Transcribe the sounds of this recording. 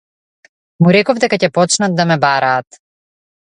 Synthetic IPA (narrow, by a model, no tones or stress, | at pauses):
muɾɛkɔvd̪ɛkacɛpɔt͡ʃnat̪̚d̪amɛbaɾaːt̪